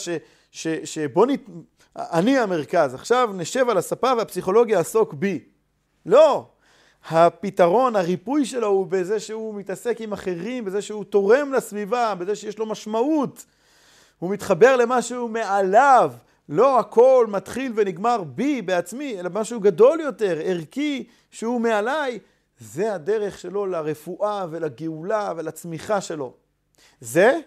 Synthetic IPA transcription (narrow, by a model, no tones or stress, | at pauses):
ʃe | ʃeʃebo̞nit | aniame̞ʁkazaχʃavneʃe̞valasapaveapsiχo̞lo̞ɡjaːsokbi | lo̞ | hapit̪aʁo̞nhaʁipujʃe̞lo̞hubeze̞ʃehumit̪ase̞kimaχe̞ʁimbe̞ze̞ʃeut̪o̞ʁe̞mlasvivabeze̞ʃejeʃlo̞maʃmaut | humit̪χabe̞ʁle̞maʃume̞alav | lo̞akʰo̞lmat̪χilve̞niɡmaʁbibe̞at͡smie̞labemaʃuɡad̪o̞ljo̞te̞ʁeʁki | ʃehume̞alaj | ze̞ad̪e̞ʁe̞χʃe̞lo̞laʁe̞fuʔave̞laɡeulavelat͡smiχaʃe̞lo̞ | ze